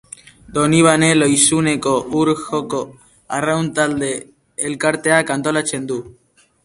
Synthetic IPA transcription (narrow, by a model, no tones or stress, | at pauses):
d̪o̞niβ̞ane̞lo̞jsune̞ko̞ʔuɾxoko | arawnt̪ald̪e̞ː | lkaɾt̪e̞akant̪o̞lat͡se̞nd̪u